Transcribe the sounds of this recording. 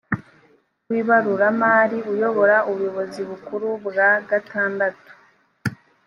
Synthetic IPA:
wiːβaɾuɾamaːɾiujo̞βo̞ɾauβujo̞βo̞ziβukuɾubɡaɡataːndatu̥

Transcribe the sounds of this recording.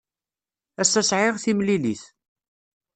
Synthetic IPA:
æsæsʕɪʁθimliliθ

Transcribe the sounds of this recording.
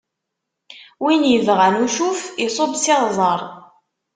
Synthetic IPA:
winjəvʁænuʃufisˤobsɪʁzˤɑɾˤ

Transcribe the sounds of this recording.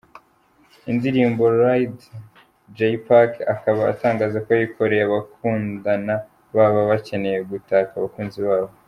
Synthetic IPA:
indiɾiːmbo̞ɾajd | d͡ʒejpakakaβa̰ːtaːŋɡaːzakoajiko̞ɾejaβakʰuːndana | βaːβaβace̞ne̞je̞ɡutaːkaβakuːnziβaːβo

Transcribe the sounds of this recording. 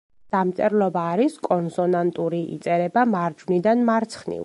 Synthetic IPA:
d̪̥amt̪sʼɛɾlˠɔbaːɾiskʼɔnsɔnant̪ʼuɾiḭt̪sʼɛɾɛbamaɾd͡ʒvnid̪anmaɾt̪sʰχnḭ

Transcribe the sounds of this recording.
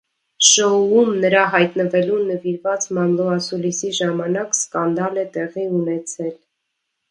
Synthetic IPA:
ʃɔumnəɾɑɦɑjt̪nəvɛlunəviɾvɑt͡smɑmlˠɔɑsulisiʒɑmɑnɑkskɑnd̪ɑlɛt̪ɛʁiunɛt͡sʰɛl

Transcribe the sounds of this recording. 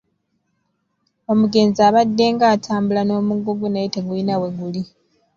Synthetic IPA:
o̞muɡe̞ːnziaːβadːe̞ːŋɡaːtʰaːmbulano̞ːmuɡuɡunaeteɡuinawe̞ɡuli

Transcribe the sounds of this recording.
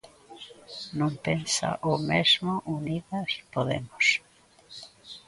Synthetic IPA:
nõmpensa̰ʔomezmoʔuniðaipoðḛmʊs

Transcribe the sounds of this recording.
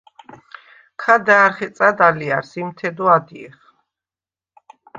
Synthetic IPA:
kʰad̪aːɾχɛt̪sʼad̪aliaɾsimt̪ʰɛd̪ɔad̪iɛχ

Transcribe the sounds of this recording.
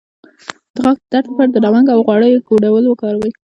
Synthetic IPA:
d̪̥əɣaɡ̚pəd̪aʈapaɾd̪əɾawaŋɡawɣwɑɽəjkoɖawəlwəkɑɾawij

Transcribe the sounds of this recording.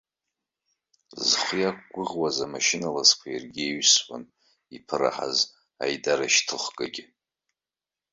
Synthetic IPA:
zχʷjakʷɡʷʊʁwazamaʃɪnalazkʷʰajirɡʲeɥswa̰n | ipʰɨra̰ħa̰z | a̰jdaɾaʃtʰɨχʷɡʼaɡʲɪ

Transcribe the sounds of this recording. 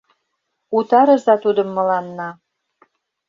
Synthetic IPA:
ut̪ɑɾɤ̆zɑt̪ud̪ə̆mːɤ̆lɑnːɑ

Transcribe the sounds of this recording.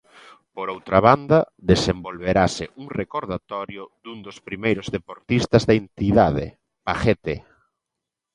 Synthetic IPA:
poɾowt̪ɾaβand̪ɐ | ðesembolβeɾasɪʔuŋrekoɾðat̪ɔɾjʊðund̪ospɾimejɾʊzðepoɾt̪ist̪ɐzðɐent̪iðaðḛ | paxet̪e

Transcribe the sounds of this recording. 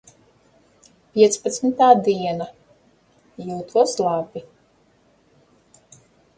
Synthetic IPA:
pʲiɛt̪spat̪smit̪aːd̪iɛna | juːt̪ʰuɔslˠabi

